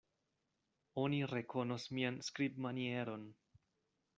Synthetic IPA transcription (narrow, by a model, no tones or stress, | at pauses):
o̞niɾe̞ko̞nosmianskɾibmanie̞ɾo̞n